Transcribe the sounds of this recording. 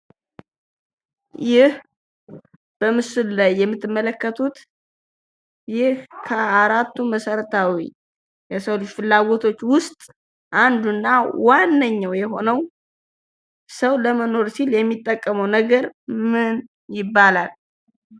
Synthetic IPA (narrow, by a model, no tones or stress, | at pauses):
jɪh | b̥əmɨsɨllajːɛmːɨt̪ːɨmːələkːət̪ʰut̪ | jɪhkʰəaɾat̪ːuməsəɾət̪ʰawḭ | jɛsəwluʃfɨlːaɡot̪ʰo̞t͡ʃːwʊst̪ʼ | ʔand̪unːawanːəɲːawjɛɦo̞nəw | səwləməno̞ɾsiljɛmːit̪ʼːəkʼːəməwnəɡəɾmɨn | jɪbːalal